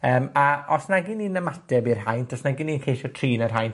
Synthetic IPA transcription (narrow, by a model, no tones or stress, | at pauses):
əːmaɔsnaɡiniːnəmatɛbirɦajntʰɔsnaɡinːiːnkʰejʃɔtʰriːnarɦajn